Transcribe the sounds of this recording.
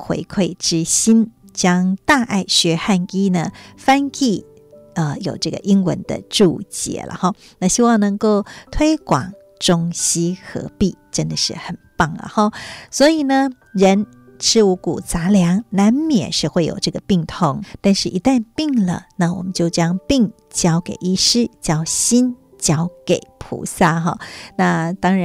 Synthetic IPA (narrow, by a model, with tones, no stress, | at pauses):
kʰwḛ˧˥ɪkʰwe˥˩ɪʈ͡ʂɻ̩˥ɕi˥n | t͡ɕjɑ˥ŋt̪a˥˧ʔa˥˩ɪɕɥɛ˧˥xa˥˩ni˥nə˧˩fa˥nki˥˩ | ə˧jo˨˩ʊʈ͡ʂɤ˥˩ɡə̰˨ʔi˥ŋwə̰˧˥nd̪ə̰˧ʈ͡ʂu˥˩t͡ɕjɛ̰˨˩˦lə̰˨˦xɑ˥˧ | na˥˧ɕi˥wɑ˥˩ŋnɤ˧˥ŋko˥˩ʊt̪ʰwe˥ɪkwɑ̰˨˩ŋ | ʈ͡ʂʊ˥ŋɕi˥xɤ̰˧˥pi˥˩ʈ͡ʂə˥nd̪ə˨ʂɻ̩˥˩xə˨˩npɑ˥˩ŋlə̰˩xɑ˥˧swɔ˧˥i˨˩nə˧ | ɻə˧˦˥n | ʈ͡ʂʰɻ̩˥u˧˥ku˨˩t͡sa˧˥ljɑ˧˥ŋna˧˥nmjɛ̰˨˩nʂɻ̩˥˧xwe˥˩ɪjo̰˨˩ʊʈ͡ʂɤ˥˩ɡə˩pi˥˩ŋt̪ʰʊ˧˥ŋt̪a˥˧nʂɻ̩˥˩ʔi˧˥t̪a˥˧npi˥˩ŋlə̰˩na˥˩wɔ̰˨˩mə˦nt͡ɕjo˥˩ʊt͡ɕjɑ˥ŋpi˥˩ŋ | t͡ɕjɑ˥ʊkḛ˨˩ɪi˥˩ʂɻ̩˥t͡ɕjɑ˥ʊɕi˥n | t͡ɕjɑ˥ʊke˨˩ɪpʰṵ˧˥sa˥˩xɔ˥˧na˥˧t̪ɑ˥ŋɻa˧